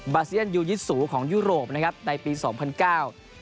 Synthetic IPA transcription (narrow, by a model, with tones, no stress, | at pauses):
baː˧si˥˩ənjuː˧ji˦˥t̪̚suː˩˦kʰɔː˩˦ŋjuː˥˩ɾoː˨˩p̚na˦˥kʰa˦˥p̚na˧jpiː˧sɔː˩˦ŋpʰa˧nkaː˥˩w